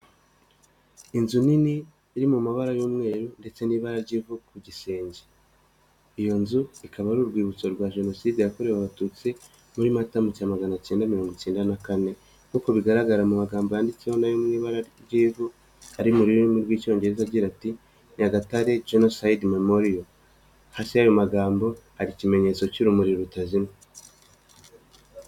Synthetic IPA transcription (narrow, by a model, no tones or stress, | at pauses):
inzuniniː | ɾimumaβaɾajuːmŋe̞ːɾunde̞t͡se̞niːβaɾaɾɟiːvukuɟise̞ːɲɟe | ijo̞nzuikʰaβaɾuɾɡwiːβut͡so̞ɾɡwaʒe̞no̞siːdejako̞ɾe̞waβatut͡si | muɾimatamuciamaɡanat͡ʃe̞ːndamiɾo̞ːŋɡot͡ʃeːndanakane̞ | ŋkuko̞βiɡaɾaɡaɾamumaɡaːmbo̞jaːndit͡seho̞najomŋiːβaɾaɾjiːvu | aɾimuɾiɾoimuɾɡwiːco̞ːɲɟe̞ɾe̞zaɟiɾati | ɲaɡataɾe̞d͡ʒenosaidmemo̞ɾio | hasiajo̞maɡaːmbo̞haɾicime̞ɲe̞t͡so̞ciɾumuɾiɾɾutazimo